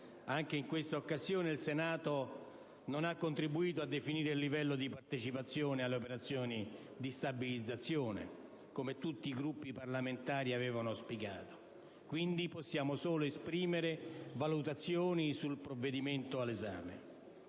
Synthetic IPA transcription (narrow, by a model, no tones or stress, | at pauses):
aŋk̟eiŋkwest̪aokːazjoːneilsenaːt̪o | nonakːont̪ɾibuiːt̪oad̪ːefiniːɾeilːivɛlːod̪ipart̪et͡ʃipat̪sːjɔːnealːeopeɾat̪sːjɔːni | d̪ist̪abilid̪zat̪sːjɔːnḛ | komet̪ut̪ːiːɡɾupːiparlament̪aːɾiavɛːvanospiɡa̰ːt̪o̥ | kwind̪iposːjaːmosoːloespɾiːmeɾevalut̪at̪sːjoːnisulpɾovːed̪iment̪oalːeza̰ːmḛ